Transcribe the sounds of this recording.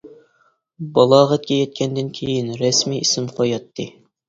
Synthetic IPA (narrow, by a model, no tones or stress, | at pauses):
bɑlˠɑːʁæt̪̚kʲɛjɛt̪̚kʲʰɛnd̪ɪnkʲʰejinɾɛsmijisɪmqʰojɑt̪ʰːɨ